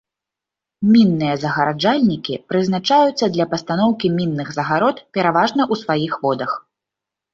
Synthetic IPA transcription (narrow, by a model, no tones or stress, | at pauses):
mʲinːɨjɐzɐɣɐɾad͡ʐalʲnʲikʲipɾɨznat͡ʂajut̪sːɐd̪lʲɐpɐst̪anɔwkʲimʲinːɨɣzɐɣaɾɔt̪pʲɛɾavaʐnɐʔusvajixvɔd̪ɐx